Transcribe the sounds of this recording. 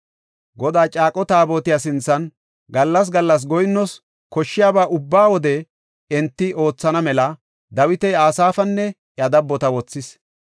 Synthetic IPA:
ɡɔd̪aːt͡ʃʼaːkʼɔt̪aːbo̞ːt̪ɪjas̬ɪnt͡sːɐn | ɡɐlːɐs̬ɡɐlːɐs̬ɡɔjnːɔs | kɔʃːɪjaːbaːʔʊbːaːwɔd̪ɛ | ɛnt̪ːɪʔo̞ːt͡sːɐnɐmɛlɐ | d̪ɐwɪt̪ɛjaːsaːfɐnːɛ | jjɐd̪ɐbːɔt̪ɐwɔt͡sːɪs

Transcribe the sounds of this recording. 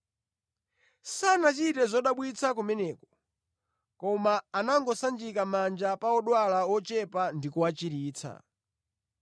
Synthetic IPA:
sanat͡ʃitɛzɔɗaɓwit͡sʰakumɛnɛːkɔ̥ | kɔmaːnaŋɡɔsand͡ʒikamand͡ʒapaɔɗwalaɔt͡ʃɛpandikuwat͡ʃiɾiːt͡sʰa̰

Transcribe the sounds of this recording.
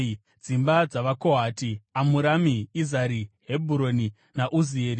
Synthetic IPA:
d͡zimbad͡zaʋakoɦaːtiamuɾamiizaɾiɦebʱuɾo̞ni | naʔuzieːɾi

